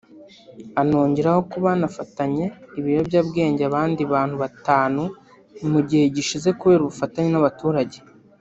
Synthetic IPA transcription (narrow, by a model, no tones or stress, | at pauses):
anoːɲɟeɾaho̞kuβanafataɲe̞iβiɾjo̞bjabɡe̞ːɲɟeaβaːndiβaːn̥huβataːnu | muɟihe̞ɟiʃize̞kuβe̞ːɾuβufataɲenaβatuːɾaɟe̞